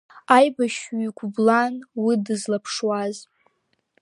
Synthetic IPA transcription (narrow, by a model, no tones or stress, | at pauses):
ajbaʃiɡʷblanwidɨzlapʰʂwaz